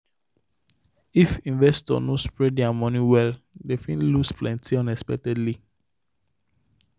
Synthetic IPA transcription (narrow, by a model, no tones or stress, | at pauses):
ifĩnvɛstɔ̰nospɹɛddiamɔniwɛldefĩnlusplɛ̃ntiɔ̃nɛspɛk̚tɛdli